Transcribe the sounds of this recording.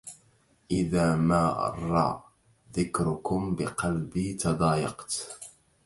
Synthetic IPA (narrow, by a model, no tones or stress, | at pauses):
ʔɪðaːmaːʔɑ̰rˤːɑ̰ | ðɪkɾʊkʊmbɪqɑlbiːt̪ɑd̪ˤɑːjɑqt̪